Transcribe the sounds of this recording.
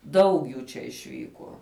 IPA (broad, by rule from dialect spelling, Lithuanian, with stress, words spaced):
ˈdɐʊk juː t͡ʃʲɛ ɪʃʲˈʋʲiːkuɔ